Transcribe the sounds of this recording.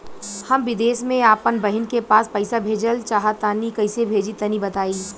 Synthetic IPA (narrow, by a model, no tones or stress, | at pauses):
hɐmʋɪd̪eːsmẽaːpənbɐɦɪnkepaːspɐɪsabʱeːd͡ʒəlt͡ʃaːɦat̪aːnikɐɪsebʱeːd͡ʒit̪ɐnibɐt̪aːi